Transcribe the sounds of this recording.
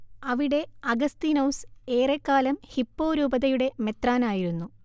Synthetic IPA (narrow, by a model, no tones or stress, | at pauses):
ɐʋiɽe̞ɐɡɐst̪iːnɐwse̞ːrekːaːlɐmhipːo̞ːɾuːbɐðɐjuɽe̞me̞t̪raːnaːjiɾunːu